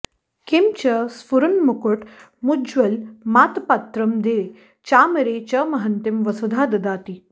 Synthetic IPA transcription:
kimt͡ɕɐsfuɾunmukuʈ | mud͡ʒʋɐlmat̪pat̪ɾɐmd̪e | t͡ɕaːmɐɾet͡ɕɐmɐɦɐnt̪imʋɐsud̪ʱaːd̪ɐd̪aːt̪i

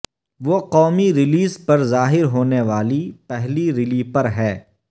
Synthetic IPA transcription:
ʋoːqɔːmiɾɪliːzpɐɾzaːɦɪɾɦoːneʋaːlipɛɦliɾɪliːpɐɾɦɛː

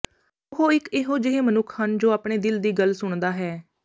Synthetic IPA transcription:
ʊɦoːɪkɪɦoːd͡ʒɪɦeːmənʊkʰhənd͡ʒoːaːpɽ̃eːd̪ɪld̪iːɡəlsʊɳd̪aːɦɛː

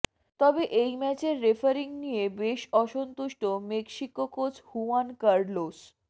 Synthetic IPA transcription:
t̪ɔbeʔejmɛt͡ɕeɾːefʰaɾiŋnijebeʃɔʃont̪uʃʈomekʃikokot͡ɕʰhuankaɾɖlos

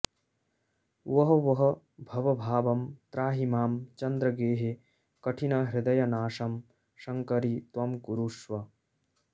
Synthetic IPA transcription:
ʋɐɦɐʋɐɦɐ̆ | bʱɐʋɐbʱaːʋɐmt̪ɾaːɦimaːmt͡ʃɐnd̪ɾɐɡeːɦe | kɐʈʰinɐɦɾɪd̪ɐjɐnaːʂɐm | ʃɐŋkɐɾit̪ʋɐmɡuɾuːʂʋɐ

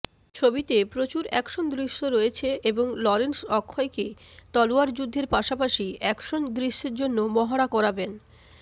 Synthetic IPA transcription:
t͡ɕʰobit̪epɾot͡ɕuɾɛ̰kʃond̪ɾiʃːoɾojet͡ɕʰeʔeboŋlɔɾensɔkʰːɔeket̪ɔloaɾd͡ʑud̪ʱːeɾpaʃapaʃiɛkʃond̪ɾiʃːeɾd͡ʑonːomɔɦaɽakɔɾaben

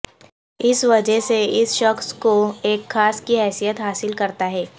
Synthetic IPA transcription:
ɪsʋɐd͡ʒəɦseɪsʃɐxskoeːkxaːskiɦɛːsijət̪ɦaːsɪlkɐɾt̪aɦɛː

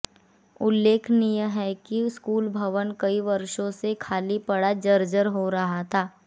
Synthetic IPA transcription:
ʊlːeːkʰnɪjəɦɛkiskuːlbʱɐʋənkɐiʋɐɾʃõsekʰaːlipɐɽad͡ʒɐɾd͡ʒəɾɦoɾɐɦat̪ʰaː

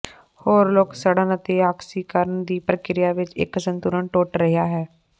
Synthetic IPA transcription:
hoːɾloːksəɽənət̪eːaːksiːkəɾəɳd̪iːpɾəkɪɾɪjaːʋɪt͡ʃɪ̰kːsənt̪uːɾəɳʈoːʈɾəɦɪjaːɦɛː

